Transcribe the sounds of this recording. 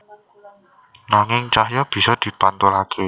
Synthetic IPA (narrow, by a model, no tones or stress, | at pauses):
naŋɪŋt͡ʃahjɔb̥i̤sɔd̪̥i̤pant̪ɔlakʰe